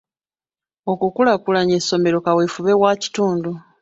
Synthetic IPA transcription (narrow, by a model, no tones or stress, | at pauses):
o̞kukulakulaɲesːo̞me̞ɾo̞kawefuβe̞waci̥tuːndu